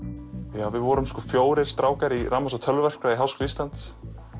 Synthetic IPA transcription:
jaːwvɪðvɔɾʏmskɔːfjoːwɾɪɾ̥st̪ɾaːwkaɾiramasat̪ʰœlvɛr̥kɾaiɦawskʏlist̪lant̪s

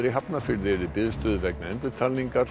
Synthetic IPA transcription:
ɾɪɦapnafɪɾðɪɾɪpɪðst̪ʏːðʏvɛknaɛnt̪ɪɾ̥t̪ʰalniŋkaɾ̥

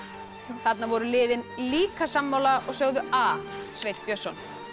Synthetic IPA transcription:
θat̪navɔɾʏlɪːðɪnliːkasamːawlaɔɣsœɣðʏasvejt̪pjœsɔn

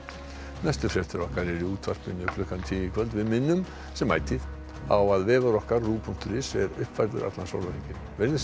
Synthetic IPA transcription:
najst̪ʏfɾɛ̥t̪ɪɾɔhkaɾɛɾiuːt̪ʰvar̥pɪnːɪʏplʏhkanɪt̪ʰiːjɪkʰvœlt̪vɪðmɪnːʏm | sɛmːa̰ːjt̪ɪð | awaðvɛːðaɾɔhkaɾːuːpʰun̥t̪ʏɾɪsɛɾʏ̰hpfajɾðʏ̰ɾʔa̰t̪laso̰wlaliŋcɪ | vɪɾnɪ

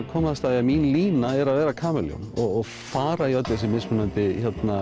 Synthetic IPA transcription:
kʰɔːmaðast̪aːðɪaminliːnaɛɾaðvɛːɾakʰaːmɛljɔ̰mɔɣɔɣ | faːɾaiœt̪ːɛs̬ɪmɪsmʏnant̪ɪçɔt̪na

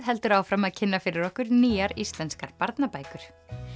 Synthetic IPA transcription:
ðɦɛlt̪ʏɾawfɾamaðcʰɪnːafɪɾɪɾɔhkʏɾniːaɾist̪lɛnskaɾpaɾt̪napaːjkʏɾ̥

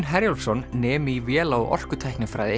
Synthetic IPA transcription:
nɦɛɾjɔlsɔnːɛːmivjɛːlawʔɔ̰r̥kʏt̪ʰajhknɪfɾa̰ːjðɪ

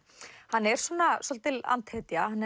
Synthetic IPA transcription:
hanːɛɾ̥swɔnasɔlt̪ɪla̰nt̪hɛt̪jahanːɛ

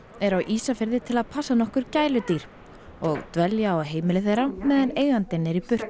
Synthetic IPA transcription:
ɛɾawʔiːsafɪɾðɪt̪ʰɪlaðpʰasːanɔhkʏɾ̥caːjlʏt̪iɾ̥ | ɔɣt̪vɛljaɔɦeːjmɪlɪθejɾamɛːðaneːjɣant̪ɪnːɛɾipʏr̥t̪

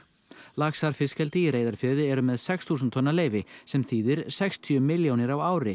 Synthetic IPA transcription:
laksaɾ̥fɪscɛlt̪ɪiɾeːjðaɾ̥fœːðɪɛɾʏmɛðsɛksθuːsʏnt̪ʰɔnːaleːjvɪsɛmθiːðɪɾ̥sɛkst̪ʰjœmɪljownɪɾawaːwɾɪ

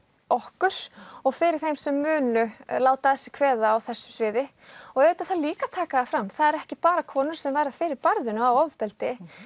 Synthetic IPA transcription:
ɔhkʏɾ̥ɔɣfɪɾɪɾ̥θejmsɛmːʏːnʏlaːwt̪aðɛsːɪkʰvɛːðaːwθɛsːʏ̥svɪːðɪ | ɔɣeːt̪ːaθaliːkat̪ʰaːkaðafɾamːθaðɛɾɛhcɪpaːɾakʰɔːnʏɾ̥sɛmvajɾðafɪːɾɪɾpaɾðʏnʏawɔvpɛlt̪ɪ

